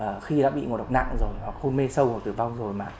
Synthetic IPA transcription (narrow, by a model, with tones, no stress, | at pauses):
ʔəː˨˩xi˧ɗa̰ː˧˥ɓḭ˧˨ŋo̰˨˩ɗk͡p̚na̰˧˨ŋzo˨˩jɦwa˨˩k̚xo˧nme˧sə˧who˨˩t̪ɨ˨˩va˧wŋ͡mzo˨˩jmaː˨˩